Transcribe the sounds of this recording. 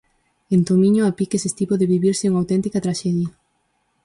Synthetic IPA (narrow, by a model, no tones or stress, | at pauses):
ent̪omĩɲoapikesest̪ipoðeβiβiɾsɪuŋawt̪ɛnt̪ikɐt̪ɾaʃɛðjɐ